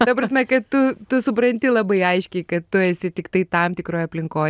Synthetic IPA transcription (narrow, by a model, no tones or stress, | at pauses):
t̪ɐpɾɐsʲmʲɛkɐt̪tʊt̪ʊsʊp̬ɾɐnʲt̪ʲɪlˠɐbɐɪɐɪʃʲkʲɛɪkɐt̪tʊɛsʲɪt̪ʲɪkt̪ɐɪt̪ɐmt̪ʲɪkɾoːjɐpʲlʲɪŋkoː